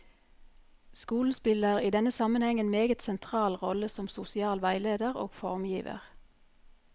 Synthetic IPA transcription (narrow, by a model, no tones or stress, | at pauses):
skuːln̩spɪləʁiːd̪ɛnəsɑmənhɛŋənmeːɡət̪sɛnt̪ʰʁɑːlʁɔləsɔmsʊsɪɑːlʋæɪleːd̪əʁo̰ːɡ̥fɔʁmjiːʋə̰ʁ